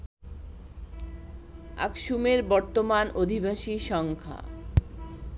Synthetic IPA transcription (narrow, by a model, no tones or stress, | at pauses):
a̰kʃumeɾbɔɾt̪omanod̪ʱibʱaʃiʃɔŋkʰa̰